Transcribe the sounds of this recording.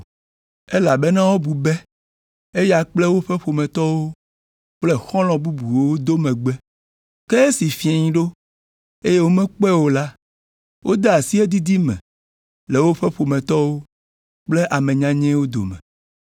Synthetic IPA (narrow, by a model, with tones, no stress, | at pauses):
e˦la˨bɛ˦nã˦wo˦bu˨bɛ˦ | e˦ja˨k͡plɛ˦wo˦ɸɛ˦ɸo˨mɛ̃˨t̪ɔ˦wo˦ | k͡plɛ˦xɔ̃˦lɔ̃˨bu˦bu˨wo˦wo˦d̪o˦mɛ̃˨ɡ͡bɛ˦ | kɛ˦e˦si˨fi˦ɛ˨ɲĩ˦ɖo˦ | e˦je˦wo˦mɛ̃˦k͡pɛ˦wo˨˦la˦ | wʔo˦d̪e˦a˨si˦e˦d̪i˦d̪i˦mɛ̰̃˨ | le˨wo˦ɸɛ˦ɸo˨mɛ̃˨t̪ɔ˦wo˦ | k͡ple˦ʔa˨mɛ̃˨ɲã˦ɲɛ̃˦wo˦d̪o̰˨mɛ̰̃˨